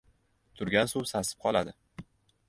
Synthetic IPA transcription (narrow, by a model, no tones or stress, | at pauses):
t̪ʰʊɾɡʲansuwsasɪ̥p̚qʰɒlˠad̪ɪ